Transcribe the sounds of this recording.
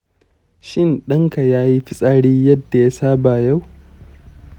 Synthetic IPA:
ʃɪ˦nɗɐ˦ŋka˨jaː˦ji˦ɸɪ˦sʼaː˦ɽiː˦jɐ˦dːa˨ja˦saː˦baː˨ja˦˨w

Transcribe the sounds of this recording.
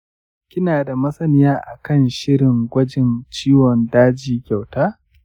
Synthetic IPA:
kʲɪ˦naː˨da˨mɐ˦sɐ˦nɪ˦jaː˦ʔa˨kɐ˦˨nʃɪ˦ɽɪ˨ŋɡʷɐ˦d͡ʒɪ˨nt͡ʃiː˦wɔ˨ndaː˦d͡ʒiː˨kʲa˨wtaː˦

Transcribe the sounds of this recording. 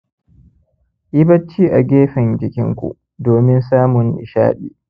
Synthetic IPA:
ʔɪ˦bɐ˦t͡ʃːiː˦ʔa˨ɡʲeː˦ɸɪ˨nd͡ʒɪ˨kʲɪ̰˦ŋkʷṵ˨ʔ | doː˨mɪ˦nsaː˦mʊ˨ŋʔɪ̰˨ʃa̰ː˦ɗḭː˦˨

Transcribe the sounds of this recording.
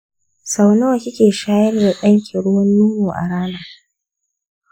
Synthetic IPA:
sa˨wnoː˦˨kʲɪ˦kʲeː˨ʃaː˦jɐ˦rda˨ɗɐ˦ŋkʲɪ˨ɽʊ˦wɐ˦nːuː˦muː˨ʔa̰˨ɽaː˦naː˨

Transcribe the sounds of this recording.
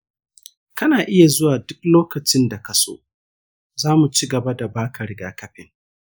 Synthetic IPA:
kɐ˦naː˨ʔɪ˦ja˨zʊ˦waː˨dʊ˦k̚loː˦kɐ˨t͡ʃɪ˦nda˨kɐ˨so̰ː˦ | zaː˦mu˨t͡ʃiː˦ɡɐ˨ba˦da˨baː˦kɐ˨ɾɪ˦ɡaː˦kɐ˦ɸɪ˨ŋ

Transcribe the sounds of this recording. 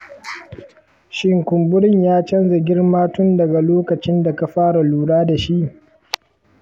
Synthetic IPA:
ʃɪ˦ŋkʷʊ˨mbʊ˦ɽɪ˦ɲjaː˦t͡ʃɐ˦nza˨ɡʲɪ˦rmaː˦tʊ˦ndɐ˨ɡa˨loː˦kɐ˨t͡ʃɪ˦nda˨ka˨ɸaː˦ɽa˨luː˨ɽaː˦da˨ʃi˦ʔ

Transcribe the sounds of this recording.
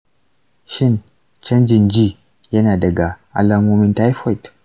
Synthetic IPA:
ʃɪ˦n | t͡ʃɐ˦nd͡ʒi˨nd͡ʒi˦ | je˦na˨dɐ˨ɡa˨a˨la˨˦mo˦mi˦nt̪a˦i˦fo˦˨jt

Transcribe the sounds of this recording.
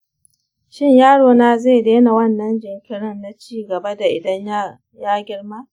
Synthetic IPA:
ʃɪ˦ɲjaː˦ɽoː˨naː˦za˦˨jdeː˦na˨wɐ˦nːɐ˦nd͡ʒɪ˨ŋkʲɪ˦ɽɪ˦nːa˦t͡ʃiː˦ɡɐ˨ba˦da˨ʔɪ˨dɐ˦ɲ˦ | jaː˦ɡʲɪ˦ɽmaː˦

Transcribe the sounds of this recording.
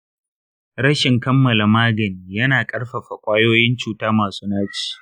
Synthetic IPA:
ɾɽɐ˦ʃɪ˨ŋkɐ˦mːɐ˨la˨maː˦ɡɐ˨niː˨jɐ˦naː˨kʼɐ˦ɽɸɐ˨ɸa˨kʷʼaː˦joː˦jɪ˦nt͡ʃuː˨taː˦maː˨suː˦naː˦t͡ʃi̥ː˨

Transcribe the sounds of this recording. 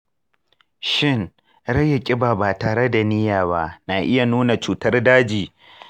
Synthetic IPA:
ʃɪ˦˨n | ɽɐ˦ja˨kʲʼɪ˦baː˨baː˨taː˨ɾe˦da˨nɪ˦jaː˨ba˦naː˨ʔɪ˦ja˨nuː˦na˨t͡ʃuː˨tɐ˦rdaː˦d͡ʒiː˨

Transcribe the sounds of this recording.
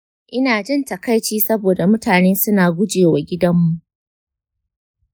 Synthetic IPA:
ʔɪ˦naː˨d͡ʒɪ˦ntɐ˨kɐ˦jt͡ʃiː˦sɐ˦boː˨da˨mʊ˦taː˨neː˦sʊ˦naː˨ɡʷʊ˦d͡ʒeː˨wa˨ɡʲɪ˦dɐ˦mːu˨ʔ

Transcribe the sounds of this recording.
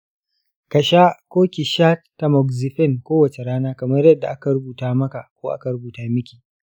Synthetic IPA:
kɐ˨ʃa˦kʷoː˦kʲi˨ʃaː˦tːa˨mɔ˨kzi˨ɸɛ˦˨nkʷoː˦wɐ˨t͡ʃe˨ɽaː˦naː˦kɐ˨mɐ˦rjɐ˦dːa˨ʔa˦ka˨ɾʊ˦buː˨taː˦mɐ˦ka˨ʔkʷoː˦ʔa̰˦ka˨ɽʊ˦buː˨taː˦mɪ˦kʲi̥ː˨

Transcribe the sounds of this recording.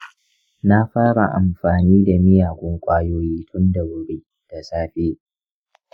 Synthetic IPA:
na˦ɸaː˦ɽa˨ʔa̰˨mɸaː˨niː˦da˨mɪ˦jaː˨ɡʷʊ˦ŋkʷʼaː˦joː˦jiː˦tʰʊ˦nda˨bʊ˨ɽe˦ | d̥a˨saː˦ɸe˦

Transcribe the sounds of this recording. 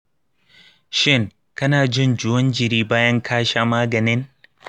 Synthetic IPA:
ʃɪ˦ŋ | kɐ˦naː˨d͡ʒɪ˦˨nd͡ʒʊ˦wɐ˦nd͡ʒɪ˨ɾiː˦baː˦jɐ˦ŋkʰaː˦ʃaː˦maː˦ɡɐ˨nɪ˦n

